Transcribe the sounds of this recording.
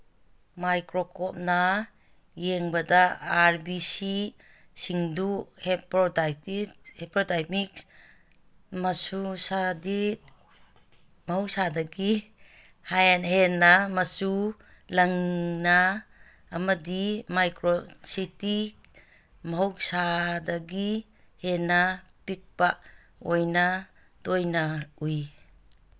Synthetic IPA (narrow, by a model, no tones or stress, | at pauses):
majkɾɔkʰɔp̚na | jeŋbadaːɾbisi | siŋduhepɾɔdatibhepɾodaj̚mik | masusadit̚ | mɐɦɔwsadaki | hajnɦenamasu | laŋnaː | mɐdimajkɾositik | mɐɦowsadaɡi | henapik̚pa | ojna | dojnauj